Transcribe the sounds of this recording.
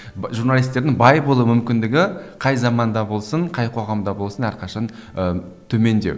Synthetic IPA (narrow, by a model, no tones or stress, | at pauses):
ʒuɾnalˠijst̪e̞ɾd̪ɪŋbɑjbolˠumʏmkʲɪnd̪ɪɡʲɪqʰɑjzɑmɑnd̪ɑbo̞lˠsəɴqʰɑjqʰo̞ʁɑmd̪ɑbo̞lˠsənæɾqʰɑʃɑnə | t̪ʰɵme̞nd̪ew